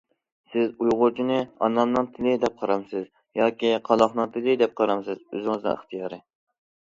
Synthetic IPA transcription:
sɪzujʁʊɾt͡ʃʰinɪɑnːɑmnɨŋt̪ʰɪlɪd̪ɛp̚qʰɑɾɑmsɪz | jɑːkʲiqʰɑlˠɑχnɨŋt̪ʰɪlɪd̪ɛp̚qʰɑɾɑmsɨzø̰zɪŋɨznɨ̰ŋə̰χt̪ʰijɑːɾɨ

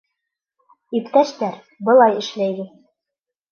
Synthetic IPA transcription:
ipt̪æʃt̪æɾ | bɤ̆lˠɑjɘ̆ʃlæjɡ̪ɘ

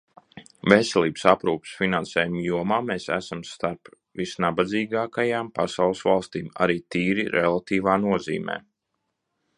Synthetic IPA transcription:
vesɛlʲˠiːbsapɾuːpsfinansɛːjumjuɔmaːmeːsæ̰samst̪aɾp | visnabad̪ziːɡaːkajaːmpasawlˠɨsvalˠst̪iːma̰ɾiːt̪iːɾiɾelˠat̪iːvaːnuɔzḭːmɛ̰ː

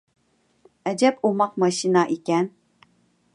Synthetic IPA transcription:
ɛd͡ʒɛpomɑq̚mɑʃinɑʔikʲɛn

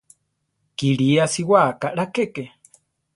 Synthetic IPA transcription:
kiɺiasiwakaʔɺakeke

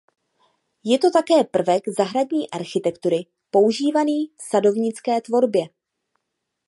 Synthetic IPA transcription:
jɛt̪o̞t̪akɛːpr̩vɛɡzaɦɾadɲiːʔaɾxɪt̪ɛkt̪uɾɪ | po̞uʒiːvaniːfsado̞vɲɪt͡skɛːt̪vo̞ɾbjɛ

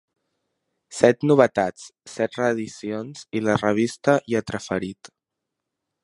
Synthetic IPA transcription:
sɛt̪nuβ̞ət̪at͡ssɛt̪rəːðisionz̥ilərəβ̞ist̪əʔiət̪ɾəfəɾit̪

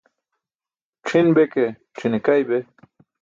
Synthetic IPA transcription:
ʈ͡ʂʰinbeke | ʈ͡ʂʰinekajbe

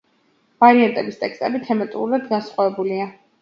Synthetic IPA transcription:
vaɾiant̪ʼɛbist̪ʼɛkst̪ʼɛbit̪ʰɛmat̪ʼṵɾɾad̪ɡansχʼwavɛbulia

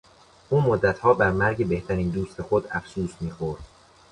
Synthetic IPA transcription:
ʔuːmod̪ːæt̪ʰhɒːbæɾmæɾɟe̞beht̪ʰæɾiːnd̪uːst̪ʰe̞xod̪æfsuːsmiːxoɾd̪̥

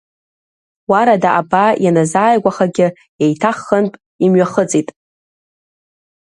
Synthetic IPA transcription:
waɾadaʔabajanazaːjɡʷaχaɡʲɪ | ejtʰaχːənpʼ | imɥaχət͡sʼitʼ

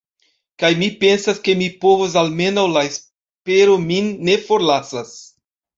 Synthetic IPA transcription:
kajmipe̞nsaske̞mipo̞vos̬alme̞nawlaes | pe̞ɾo̞minːe̞fo̞ɾlasas

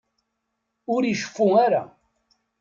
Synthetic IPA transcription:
ʊɾiʃə̥fːuaɾa̰

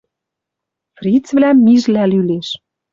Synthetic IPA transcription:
frʲit͡svlæmːiʒlælyleʃ

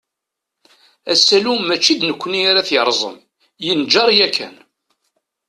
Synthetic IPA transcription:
æsːælumæt͡ʃːid̪nəkʷːəniaɾaθjəɾˤzˤə̰m | jənd͡ʒɑɾˤjækʰːæ̰n

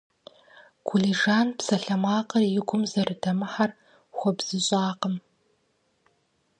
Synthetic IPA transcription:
kʷʰʊliʒaːnpsɐɬɐmaːqɐrjɪɡʷʊmzɐrɨdʰɐmɨħar | xʷɔbz̥ɨɕʼaːqəm

